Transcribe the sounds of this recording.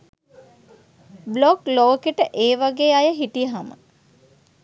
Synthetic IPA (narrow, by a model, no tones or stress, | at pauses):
blokloːkeʈəʔeːʋaɡeːajəɦiʈijəɦamə̰